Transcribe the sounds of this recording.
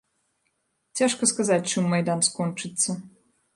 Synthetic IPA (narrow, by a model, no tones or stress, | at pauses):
t͡sʲaʂkɐskazatʲt͡ʂɨmːɐjd̪anskɔnt͡ʂɨt̪sːɐ